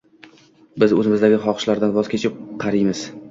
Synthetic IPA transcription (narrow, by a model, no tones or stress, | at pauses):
bɪzɵzɪmɪzd̪aɡʲɪχɒqʃlaɾd̪anvɒz̥kʲʰe̞t͡ʃʰɪp̚qʰɑɾɪjmɪz̥